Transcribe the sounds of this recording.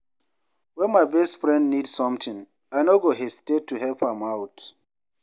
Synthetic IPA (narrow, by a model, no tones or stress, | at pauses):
wɛ̃nmajbɛstfɹɛ̃ndnidsɔ̃mtʰĩŋ | ajnoɡoɦestetʰːuɦɛlpãmawt